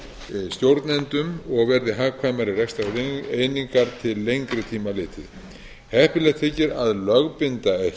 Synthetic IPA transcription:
st̪jowɾt̪nɛnt̪ʏmɔɣvɛɾðɪɦaːɣkʰvaːjmaɾɪrɛxst̪aeːjniŋkaɾt̪ʰɪlːejŋkɾɪt̪ʰiːmalɪːt̪ʰɪ̰ð | hɛhpɪlɛɣt̪ʰɪcɪɾaðlœɣpɪnt̪ae

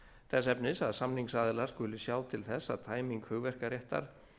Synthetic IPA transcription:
θʰɛs̬ɛpnɪsaðsamniŋksaːðɪlaɾ̥skʏːlɪsjaːwt̪ʰɪlθɛsːa̰ðt̪ʰaːjmiŋkhʏɣvɛr̥kaɾjɛht̪a̰ɾ̥

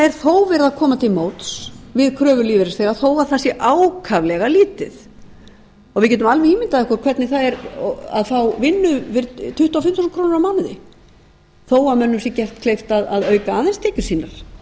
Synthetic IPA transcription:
ɛɾ̥θowvɛːɾɪðakʰɔːmat̪ʰɪlmoːwt̪svɪðkʰɾœːvʏliːvɛɾɪsθeɣaθowaɾθasjɛʔaːwkʰavlɛɣaliːt̪ɪð | ɔɣvɪðcɛːt̪ʏmalvɪiːmɪnt̪aðɛhkɔkʰvɛɾt̪nɪθaðɛɾa̰ðθawvɪnːʏvɪɾt̪ʰʏht̪uafɪmt̪usnkʰɾoːwnɾawmaːwnɪðɪ̰ | θowamœnːʏmsjɛcɛht̪kʰlejft̪aðaðœːɥkaaːðɛnst̪ʰɛːcʏ̥siːnaɾ̥

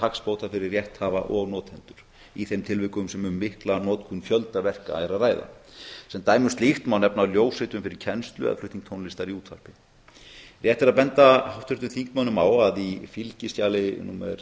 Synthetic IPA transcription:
akspowt̪afɪɾɪɾrjɛht̪haːva̰ʔɔɣnɔːt̪hɛnt̪ʏɾ̥ | iθejmt̪ʰɪlvɪhkʏmsɛmʏːɪhklanɔːt̪kʰunfjœlt̪avɛr̥ka̰ɛɾaðraːjða̰sɛmt̪aːjmʏst̪lixt̪mawnɛpnaljoːwsɪt̪ʏmfɪɾɪɾ̥cʰɛnst̪lʏ̰ɛ̰ðflʏht̪iŋt̪ʰownlɪst̪aɾiuːt̪ʰfa̰r̥pɪ | rjɛht̪ɛɾaðpɛnt̪ahawht̪ʰʏɾt̪ʏθiŋht̪mawnʏmaːwaðifilcɪscaːlɪnumɛ̰ɾ̥

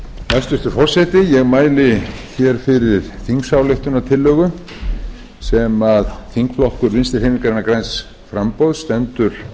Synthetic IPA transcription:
ɛst̪ʏst̪ʏɾfɔr̥sɛt̪ɪjɛɣmaːjlɪçɛɾ̥fɪɾɪɾ̥θiŋksaːwleht̪ʏnat̪ʰɪlːœːɣʏ | sɛmaðθiŋkflɔhkʏɾvɪnst̪ɪɾhejmiŋkaɾɛnakɾajns | fɾampowðst̪ɛnt̪ʏɾ̥

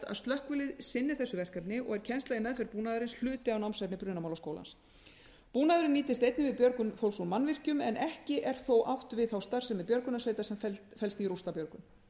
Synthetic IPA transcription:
a̰ðst̪lœhkvʏlɪðsɪnːɪ̥θɛsːʏvɛr̥kapnɪɔ̰ɣɛɾ̥cʰɛnst̪ajɪmɛːðfɛɾpuːnaðʏɾɪnsl̥ʏːt̪ɪawnawmsajpnɪpɾʏːnamawlskoːwla̰ns | puːnaðʏɾɪniːt̪ɪst̪ejt̪nɪvɪðpjœɾkʏnfowlsunmanvɪr̥cʏmɛnʔɛhcɪʔɛɾ̥θowʔawht̪vɪðθawst̪ar̥sɛmɛðpjœɾkʏnasveːjt̪asɛmfɛfɛlst̪iɾust̪apjœɾkʏm

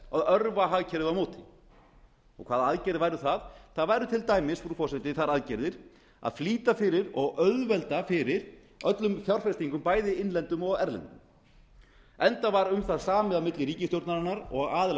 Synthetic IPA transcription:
aðœɾvaɦaɣcʰɛɾðɪamoːwt̪ʰɪ̥ | ɔ̰ɣkʰvaːðaaðcɛɾðɪvajɾʏθaðθaðvaːjɾʏt̪ʰɪlt̪aːjmɪsfɾufɔrsɛt̪ɪθaɾaðcɛɾðɪɾ̥ | a̰ðfliːt̪afɪːɾɪɾɔɣœðvɛlt̪afɪːɾɪɾ̥ | œt̪lʏmfjawr̥fɛɾst̪iŋkʏmpaːjðɪɪnlɛnt̪ʏmɔɣɛɾlɛ̰nt̪ʏm | ɛnt̪avaɾʏmθaðsaːmɪðamɪt̪lɪɾiːcɪst̪jowɾt̪naɾanːaɾɔɣɣaːðl

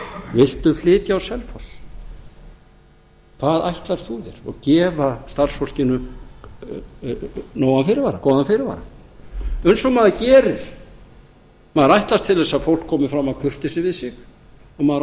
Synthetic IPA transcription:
vɪl̥t̪ʏflɪːt̪jaawsɛlfɔs | kʰvaːðajht̪laɾ̥θuðɛ̰ɾ̥ɔ̰ɣcɛːvast̪ar̥sfowl̥cɪnʏ | noːwanfɪɾɪɾvaːɾakoːwðanfɪːɾɪɾva̰ːɾa̰ | œɥnsɔɣmaːðɪcɛːɾɪɾ̥ | maːðɪɾajht̪last̪ʰɪlɛsaðfowl̥kʰːɔːmɪfɾamaðkʰʏr̥t̪ɪsɪvɪðsɪɣ | ɔmaðɾ

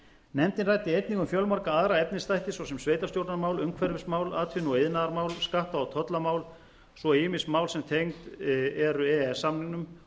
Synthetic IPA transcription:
nɛmt̪ɪnrajt̪ɪejt̪niŋkʏmfjœlmaɾkaaðɾaɛp̚nɪst̪ajht̪ɪsvɔwsɛmsveːjt̪ast̪jowt̪namaːwlʏŋkʰvɛɾvɪsmaːwlaːt̪ʰʏnɔeðnaðaɾmaːwlskaht̪aawt̪ʰɔt̪lamaːwl | svɔɪːmɪsmawlsɛmt̪ʰejŋt̪ɛɾʏɛɛsamnɪnʏm

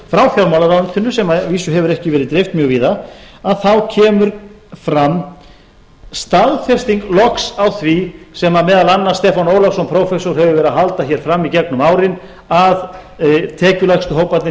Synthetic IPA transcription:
fɾawfjawɾmawlaɾant̪ʰʏnːʏsɛmaviːsʏɦɛvʏɾɛhcɪvɛːɾɪðt̪ɾeft̪mjœɣviːðaaðθawcʰɛːmʏɾ | fɾamː | st̪aðfjɛr̥st̪iŋklɔksawθvisɛmamɛːðalanːast̪ɛːfanoːwlasɔmpʰɾowfɛsowɾ̥ɦɛvʏvɛɾɪðaɦalt̪açɛɾ̥fɾamːicɛknʏmaːwɾɪn | að | t̪ʰɛːcʏlaxst̪ʏɦowpant̪nɪ

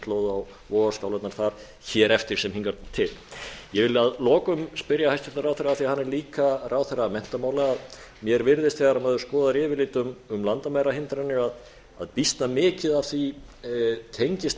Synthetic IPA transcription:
t̪loːwðʏaw | vɔːɣaskawlat̪naɾ̥θaɾ̥ | çɛːɾɛft̪ɪɾ̥sɛmhiŋkaɾt̪ʰɪljɛvɪlɪaðlɔːkʏmspɪɾjahajst̪ʏlt̪aɾawθɛɾːaθiahanːɛɾliːkaraːwθɛrːaːmɛn̥t̪amaːwlaːð | mjɛɾvɪɾðɪst̪θɛɣaɾamaːðʏskɔːðaɾɪːvɪlɪːt̪ʏmʏmlant̪amajɾahɪnt̪ɾanːɪað | a̰ðpist̪namɪːcɪðav̥θvi | t̪ʰejɲcɪst̪

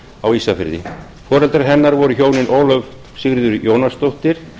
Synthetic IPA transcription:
awiːsafɪ̰ɾðɪ̰ | fɔːɾɛlt̪aɾɦɛnːaɾvɔɾʏçoːwnɪnʔoːwlœv | sɪɣɾðʏɾjoːwnast̪owht̪ɪɾ̥

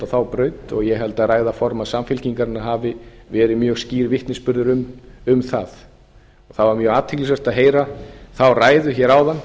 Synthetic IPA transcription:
aθawpɾœːɥt̪ɔ̰ɣjɛɦɛlt̪araːjðafɔɾmaðsamfɪlciŋkaɾɪnaɦaːvɪvɛːɾɪmjœːɣsciːɾɪvɪht̪nɪspʏɾðʏɾʏmʏmθað | ɔθavaɾmjœːɣaːt̪ʰɪklsvɛr̥t̪aðɦeːjɾaθawraːjðʏçɛɾawðanː

